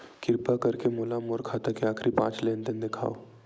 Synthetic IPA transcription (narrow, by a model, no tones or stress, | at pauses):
kɪɾpakɐɾkemolamoːɾkʰaːt̪akeaːkʰɾipã̰ːt͡ʃleːnt̪end̪ekʰa̰ːo